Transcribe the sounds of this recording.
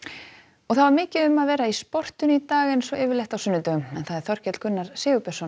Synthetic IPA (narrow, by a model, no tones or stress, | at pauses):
ɔɣθaðvaɾmɪːcɪðʏmaðvɛːɾaispɔr̥t̪ʏnʏit̪aːɣɪnsɔʔɪːvɪɾlejht̪awsʏnːʏt̪œɣʏmɛnθaðɛɾ̥θɔr̥cɛt̪l̥kʰʏnːaɾ̥sɪːʏpʰɛ̥sɔn